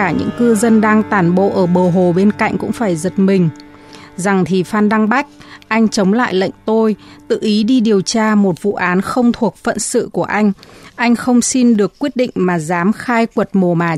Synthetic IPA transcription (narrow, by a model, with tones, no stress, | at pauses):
aː˧˩ɲɨ̰˧˥ŋkɨ˧zə˧nɗaː˧ŋt̪aː˧˩nɓo̰˧˨ʔəː˧˩ɓəː˨˩ɦo˨˩ɓe˧nka̰˧˨jŋ̟kʊ̰˧˥ŋ͡mfaː˧˩jzə˨˩t̚mï˨˩ŋ̟ | za˨˩ŋt̪ʰi˨˩faː˧nɗa˧ŋɓa˦˥jk̟̚ʔa˧jŋ̟t͡ɕə˨˦wŋ͡mla̰ː˧˨jlə̰˧˨jŋ̟t̪o˧jt̪ɨ̰˧˨ʔi˨˦ɗi˧ɗi˨˩əwt͡ɕaː˧mo˨˩t̚vṵ˧˨ʔaː˨˦nxə˧wŋ͡mt̪ʰu˨˩ək̚fə̰˧˨nsɨ̰˧˨ku˧˩əʔa˧jŋ̟ʔa˧jŋ̟xə˧wŋ͡msi˧nɗɨ˨˩əkːwi˦˥ət̚ɗḭ̈˧˨ŋ̟maː˨˩zaː˨˦mxaː˧jkwə˨˩t̚mo˨˩maː˨˩